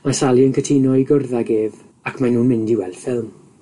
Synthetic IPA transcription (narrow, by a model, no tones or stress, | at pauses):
masalˠiənkʰətʰinɔɨɡʊrðaɡeːv | akʰmanuːnmɪndiwɛ̰lˠfɪlˠm